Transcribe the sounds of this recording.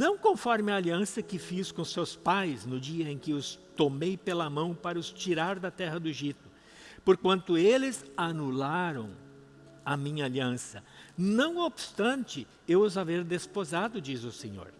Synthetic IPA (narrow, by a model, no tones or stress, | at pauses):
nɐ̃w̃kõfɔɾmɪɐːliɐ̃sɐkɪfiskõsewspajznʊd͡ʒiɐẽkɪʊst̪omejpelɐmɐ̃w̃paɾɐʊst͡ʃiɾaɾd̪ɐt̪ɛɦɐd̪ʊeʒit̪ʊ̥ | poɾkwɐ̃nt̪ʊelɪzanulaɾɐ̃w̃ | ɐmĩɲɐaliɐ̃sɐnɐ̃w̃obɪst̪ɐ̃nt͡ʃɪ | ewʊzaveɾd̪espozad̪ʊd͡ʒizʊsḛɲo̰ɾ